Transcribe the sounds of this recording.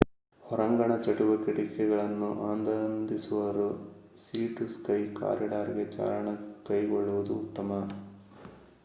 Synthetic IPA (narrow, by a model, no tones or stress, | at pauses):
hɔɾɐŋɡɐɳɐt͡ʃɐʈuʋɐkiɽikɛɡɐɭɐnːuʔaːnd̪ɐnd̪isuʋɐɾu | siːʈuskɐjka̰ːɾjɐɖaːɾiɡet͡ʃa̰ːɾɐɳɐkɐjɡɔɭːuʋud̪uːt̪ːɐmɐ